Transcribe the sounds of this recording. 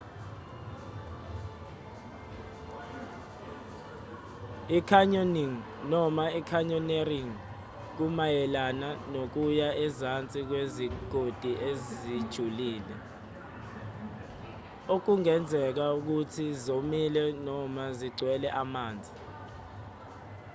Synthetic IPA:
ikʰaɲoniŋ | nɔmaikʰaɲɔneriŋ | k̬umajɛlananok̬ujaʔɛzant͡sʼik̬weziɡ̥ʱod̥ʱiʔezid̥ʒ̥ʱuliːlɛ | ok̬uŋɛnd͡zʱɛk̬auk̬utʰizomilɛnɔmaziɡ͡ǀwɛlɛʔamaːnd͡zʱi

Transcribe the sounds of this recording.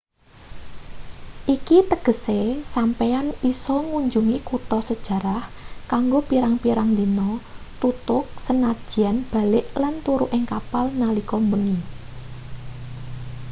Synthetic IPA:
ʔikit̪əɡ̥ə̤sesampeanisɔŋuɲd͡ʒuŋikut̪ɔsəd̥ʒ̥ä̤ɾahkaŋɡopiɾaŋpiɾaŋlinɔt̪ut̪ʊk̚sənḁʒ̥i̤anb̥a̤lɪʔlant̪uɾuʔɪŋkapalnalikɔmbəŋi

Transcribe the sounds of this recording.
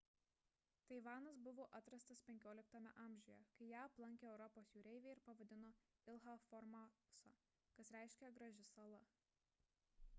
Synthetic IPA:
t̪ɐɪʋɑːnɐs̬bʊʋoːʔɐt̪ɾɐst̪ɐspʲɛŋʲkʲoːlʲɪk̚t̪ɐːmʲɛ̰ʔɑːmʲʒʲʊjɛ̰kɐɪjæːɐplˠɐŋʲkʲeɛʊɾɔpoːsjuːɾʲɛɪʋʲeːɪɾpɐʋɐd̪ʲɪnoːɪlˠɦɐfɔɾmɑsa̰ː | kɐsɾʲæˑɪʃʲkʲɛɡɾɐʒʲɪsɐlˠɐ

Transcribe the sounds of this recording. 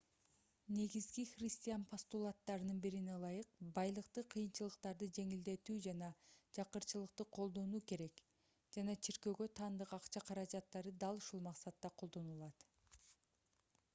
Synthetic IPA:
ne̞ɡizɡiχrʲɪsʲt̪ʲijanpʰost̪ulˠat̪ːɑɾɯnɯnbiɾinelˠɑjɯqbɑjlˠɯqt̪ɯqʰɯjɯnt͡ʃɯlˠɯqt̪ɑɾd̪ɯd͡ʒe̞ŋild̪e̞t̪yːd͡ʒɑnɑd͡ʒɑqɯɾt͡ʃɯlˠɯqt̪ɯqʰo̞lˠd̪o̞nuːke̞ɾe̞k | d͡ʒɑnɑt͡ʃʰiɾkø̞ɡø̞t̪ʰɑːnd̪ɯqɑqt͡ʃɑqʰɑɾɑd͡ʒɑt̪ːɑɾɯd̪ɑlˠuʃulˠmɑqsɑt̪ːɑqʰo̞lˠd̪o̞nulˠɑt̪

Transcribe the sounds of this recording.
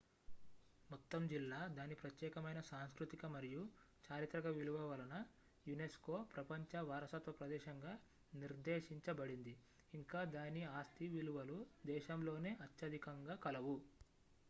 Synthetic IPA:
mɔt̪ːɐmd͡ʒilːaːd̪aːnipɾɐt̪jɛːkɐmɐjnɐsaːnskɾut̪ikɐmɐɾiju | t͡ʃaːɾit̪ɾɐɡɐʋiluʋɐʋɐlɐnɐ | junesko̞ːpɾɐpɐɲt͡ʃɐʋaːɾɐsɐt̪ʋɐpɾɐd̪ɛːʃɐŋɡaː | niɾd̪ɛːʃiɲt͡ʃɐbɐɽind̪iː | ŋkaːd̪aːniaːst̪iʋiluʋɐlud̪ɛːʃɐmlo̞ːne̞ːʔɐt̪jɐd̪ʱikɐŋɡaːkɐlɐʋu

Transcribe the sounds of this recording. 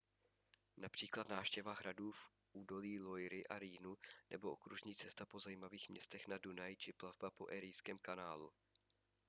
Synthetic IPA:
napr̝̥iːklat̪naːfʃcɛvaːxɾaduːf | ʔuːdo̞liːlo̞jɾɪʔaɾiːnunʔɛbo̞ʔo̰kɾuʒɲiːt͡sɛst̪apo̞zaiːmaviːxmɲɛst̪ɛxnadunajt͡ʃɪplavbapo̞ʔɛɾɪjskɛːmkanaːlṵ

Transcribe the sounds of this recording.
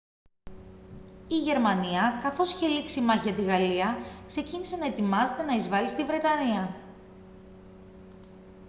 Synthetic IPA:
iʝe̞ɾmɐniɐkɐθo̞siçe̞liksimɐçiɐt̪iɣɐliɐkse̞cinise̞nɐe̞t̪imɐze̞t̪e̞nɐizvɐlist̪ivɾe̞t̪ɐniɐ

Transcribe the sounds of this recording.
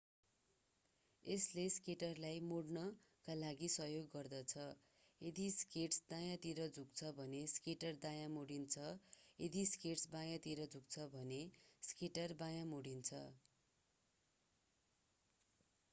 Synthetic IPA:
esleskeʈʌrlajmoɽnʌkalaɡisʌɦjoɡːʌrd̪ʌt͡sʰʌ | jed̪iskeʈsd̪ajãt̪iɾʌd͡zʱuk̚t͡sʰʌbʱʌneskeʈʌrd̪ajamoɽint͡sʰʌjed̪iskesbãjãt̪iɾʌd͡zuk̚t͡sʰʌbʱʌneskeʈʌrbajamoɽint͡sʰʌ

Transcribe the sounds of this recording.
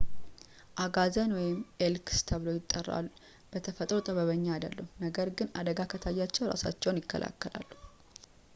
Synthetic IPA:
ʔaɡazənwɔjɪmʔelkst̪ʰəβɨlo̞jɪt̪ʼːərːa̰lːu | b̥ət̪ʰəfət̪ʼɾot̪ʼəβəβəɲːaad̪ə̰lːəhunəɡəɾɡɨnad̪əɡakʰət̪ʰajːat͡ʃːɛwɾa̰sa̰t͡ʃːɛwnjɪkːə̰lʔa̰kːəla̰lːu

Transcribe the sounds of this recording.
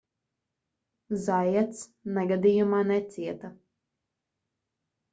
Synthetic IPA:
zajɛt̪snɛɡad̪ijumaːnɛt̪sʲiɛt̪a

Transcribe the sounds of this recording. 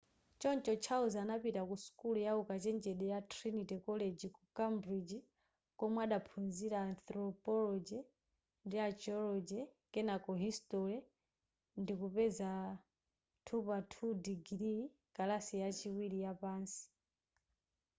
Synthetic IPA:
t͡ʃɔnt͡ʃɔt͡ʃʰauzanapitakusu̥kulujaukat͡ʃɛnd͡ʒɛɗɛjatʰɾinitɛkɔlɛd͡ʒikukambɾid͡ʒi | kɔmwaɗapʰunziɾaːnθɾɔpɔlɔd͡ʒɛ | ndiat͡ʃɔlɔd͡ʒɛ | kɛnakɔɦistɔɾɛ | ndikupɛza | tʰupatʰudiɡɾi | kalasijat͡ʃiwiɾijapaːnsi̥

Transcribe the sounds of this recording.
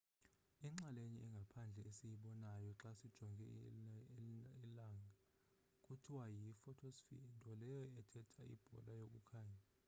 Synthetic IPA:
iŋ͡ǁaleɲiʔɛŋɡʱapʰand͡ɮʱɛesijiɓɔnajɔǁasid̥ʒ̥ʱɔŋɡʱɛ̰ | ilaŋɡʱa | kʼutʰiwajifɔtʰɔsfḭntʼɔlɛjɔɛtʰɛtʰʼaḭb̥ʱɔ̰lajok̬ʼukʰaːɲa

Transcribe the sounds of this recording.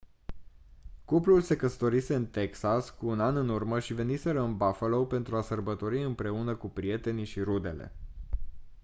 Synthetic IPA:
kuplulse̞kəst̪o̞ɾise̞ɨnt̪e̞ksaskuːnanɨnurməʃive̞nise̞ɾəɨnbafəlo̞wpe̞nt̪ɾuasərbət̪o̞ɾiɨmpɾe̞unəkupɾie̞t̪e̞niʃiɾud̪e̞̰le̞̰

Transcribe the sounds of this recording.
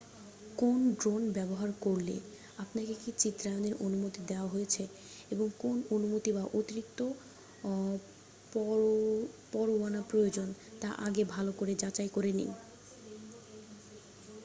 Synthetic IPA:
konɖɾonbɛboɦaɾkoɾlḛ | apnakekit͡ɕit̪ːɾajoneɾʔonumot̪id̪eoaɦojet͡ɕʰe | eboŋkononumot̪ibaʔot̪iɾik̚t̪ːo | ɔ | pɔɾoanapɾojod͡ʑont̪aʔa̰ɡebʱalokoɾed͡ʑat͡ɕajkoɾenḭ

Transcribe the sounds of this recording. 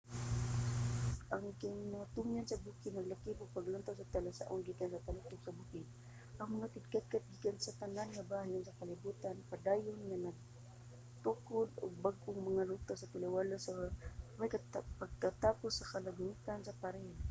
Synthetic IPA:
ʔaŋkɪŋmaŋat̪ʊŋjansɐbukɪnɐɡlakɪbʊɡ̚paɡlant̪awsat̪alasa̰ʔʊnɡikansat̪alat̪ʊɡsabukɪ | ʔɐŋmɐŋak̪ɪd̪̚kat̪̚kat̪̚ɡikansat̪ananŋabaːɦɪnsakalɪbuːt̪anpad̪aːjʊnŋanaɡ̚ | t̪ʊkʊd̪ʊ̰ɡ̚baɡ̚ʔʊŋmɐŋalut̪asat̪ɪlawalasamajkapaɡ̚kat̪aːposɐkalaɡnit̪ansapaɾɛho

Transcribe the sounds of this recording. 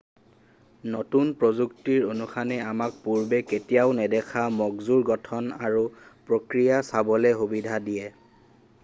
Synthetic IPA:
notunpɹozuktiɹonuxʰanɛamak̚puɹbɛketijaʊnɛdɛkʰamɔɡzuɹɡɔtʰɔnaɹupɹokɹijasabɔlɛxubidʱadijɛ

